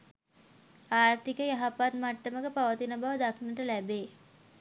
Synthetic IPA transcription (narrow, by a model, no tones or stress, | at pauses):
aːrt̪ikəjaɦapat̪maʈːəməkəpaʋət̪inəbaʋəd̪akʰnəʈəlæbeː